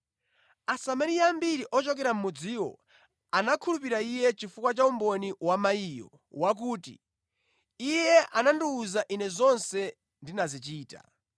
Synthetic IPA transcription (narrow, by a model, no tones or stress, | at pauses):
asamaɾiambiɾiʔɔt͡ʃɔk̬ɛɾam̩mud͡ziwɔ̰ | anakʰulup̬iɾaijɛt͡ʃifukwat͡ʃaumbɔniwamaijɔ̰ | wak̬uːtḭ | ijɛʔananduːzaʔinɛzɔnsɛ | ndinazit͡ʃiːta̰